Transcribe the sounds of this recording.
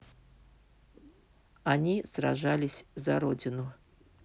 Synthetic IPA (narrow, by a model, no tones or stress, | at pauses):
anʲisra̰ʐalʲɪsʲzɐɾod͡zʲɪnʊ